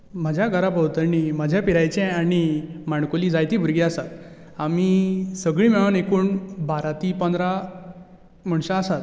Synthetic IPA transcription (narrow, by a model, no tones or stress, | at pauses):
m̤əd͡ʑʱjaɡʱəɾabəwt̪əɾniməd͡ʑʱjapiɾajt͡ɕɛ̃aɽ̃imaɳkoliːd͡zajt̪iːbʱuɾɡiəsat̪ | amisəɡɭĩːmɛɭanekuːnbaɾat̪iːpənd̪ɾa | m̤əɳ̃ɕãəsat̪